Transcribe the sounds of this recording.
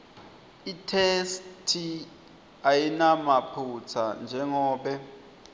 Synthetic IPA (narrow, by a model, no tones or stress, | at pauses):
itʰestʰi | ajinamapʰut͡sʰand͡ʒʱɛŋɔːɓɛ